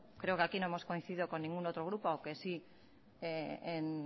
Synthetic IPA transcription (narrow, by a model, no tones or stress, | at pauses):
kɾe̞okeakinoemo̞sko̞inθiðiðoko̞nːĩŋɡuno̞t̪ɾoɣ̞ɾupoawke̞si | een